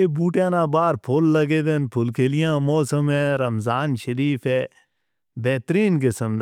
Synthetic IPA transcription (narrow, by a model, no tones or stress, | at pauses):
eːbuːʈjãːnãːbaːɾpʰoːlːɐɡeːd̪enpʰʊlkʰeːlɪjãːmɔːsəmɛ̃ːɾɐmzaːnʃəɾiːfʰɛː | bɛːt̪ɾiːnkɪsəmd̪